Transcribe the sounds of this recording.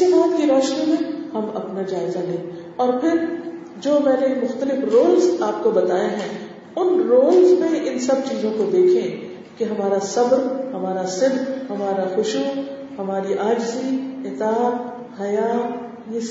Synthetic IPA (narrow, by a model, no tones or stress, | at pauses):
ibaːt̪kiɾɔːʃnimẽhɐmɐ̰pnad͡ʒaːɪzalẽː | ɔːɾpʰɪɾ | d͡ʒoːmɛ̃ːnemʊxt̪əlɪfɾoːlzaːp̚kobɐt̪aːeɦɛ̃ | ʊnɾoːlzmẽʔɪnsɐb̚t͡ʃiːzõkod̪eːkʰẽ | keɦɐmaːɾasɐbɾhɐmaːɾasɪd̪hɐmaːɾaxʊʃu | hɐmaːɾiʔaːd͡ʒziɪt̪aːt̪ | hɐjaːt̪ | je